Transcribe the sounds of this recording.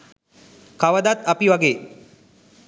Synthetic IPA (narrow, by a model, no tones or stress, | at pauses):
kaʋəd̪at̪ɐpiʋaɡeː